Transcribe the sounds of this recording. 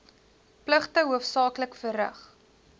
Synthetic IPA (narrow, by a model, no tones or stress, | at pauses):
pləχtəɦuəfsɑːkləkfəɾə̰χ